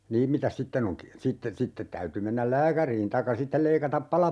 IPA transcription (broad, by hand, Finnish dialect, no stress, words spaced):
niːm mitæs sitːen oŋ ki sitːe sitːet tæyty menːæl læːkæriːn tɑikːɑ sitːel leikɑtɑp pɑlɑ